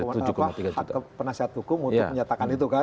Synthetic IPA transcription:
ad͡ʒkat̪iɡaaəpənasiɦat̪̚ɦukʊmuntʊkməɲat̪akanit̪̬uka

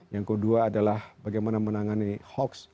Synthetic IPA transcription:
jaŋkəduaːdalahbaɡajmanamənaŋanihɔks

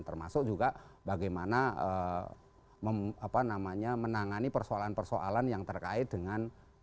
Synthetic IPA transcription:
nt̪ərma̰sʊk̚d͡ʒuɡaʔbaɡajmanaə | məmapanamaɲamənaŋanipərsoalanpərsoʔa̰lanjaŋt̪ərkaɪt̪̚dəŋan

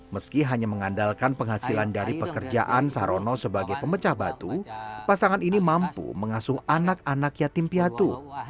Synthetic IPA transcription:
məskiɦaɲaməŋandalkanpəŋɦasilandaɾipəkərd͡ʒa̰ʔansaɾonɔsəbaɡajpəmət͡ʃahbat̪upasaŋaninimampṵməŋasʊhanak̚anakjat̪impiat̪u

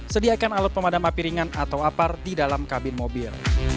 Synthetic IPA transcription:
sədiakanalɔt̪̚pəmadamapiɾiŋanat̪awapardidalamkabɪnmobɪl

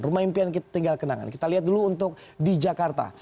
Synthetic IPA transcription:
rumaimpiankit̪ḁt̪iŋɡalkənaŋa̰nkit̪aliɦat̪̚duluːnt̪ʊk̚did͡ʒakart̪a̰

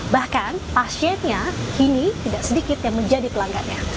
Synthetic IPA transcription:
bahkanpasiɛnɲakinit̪idaʔsədikɪt̪̚jaŋməɲd͡ʒadipəlaŋɡaʔɲa

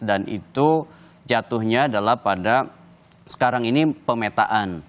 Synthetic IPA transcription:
danḭt̪u | d͡ʒat̪uhɲaːdalahpada | sə̥kaɾaŋinipəmet̪a̰ʔan

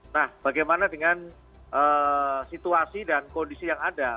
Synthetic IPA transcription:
nahb̥aɡajmanadəŋan | ʔəːsit̪uasidankondisijaŋada

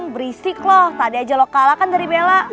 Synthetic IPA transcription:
ŋbəɾisɪklɔht̪adiad͡ʒalɔkalakandaɾibela

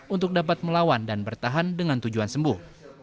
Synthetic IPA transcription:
unt̪ʊk̚dap̬at̪̚məlawandanbərt̪aɦandəŋant̪ud͡ʒuansəmbʊh

